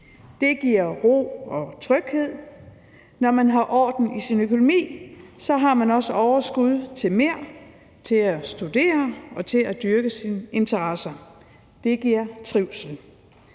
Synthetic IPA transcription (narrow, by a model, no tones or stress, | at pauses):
d̥e̝ɡ̥iɐ̰ʁo̝̰ːɒ̽t͡sʰʁœɡ̥he̝ð̰ˠ | nɒmænɦɑ̈ʔɒ̰ːd̥n̩isinøkʰo̝no̝mḭːsɒ̽ɦɑ̈mænɒ̽səɒʊɐsɡ̥uð̞ˠt͡sʰe̝lmeɐ̰ | t͡sʰe̝læsd̥ud̥e̝̰ːɐɒ̽t͡sʰe̝læd̥yɐɡ̥əsine̝nt͡sʰɐʁɑsɐ | d̥e̝ɡ̥iɐ̰t͡sʰʁiʊ̰sn̩